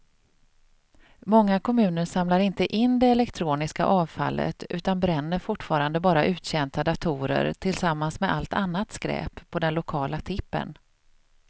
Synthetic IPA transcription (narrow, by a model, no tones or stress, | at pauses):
mɔŋːakʰɔmʉ̟ːnəɾʂamlaɾɪnt̪əʔɪnːd̪ɛɛlɛkt̪ʰɾuːnɪska̰ʔɑːvfa̰lːə̰t̪ʉ̟ːt̪anbɾɛnːəɾfʊʈːfɑːɾand̪əbɑːɾaʔʉ̟ːt̪ɕɛnt̪ʰad̪at̪ʰuːɾə̰ɾt̪ʰɪlsamːansmɛd̪alt̪ʰanːat̪skɾɛ̰ːpʰːɔd̪ɛnlʊkʰɑːlat̪ʰɪpːə̰n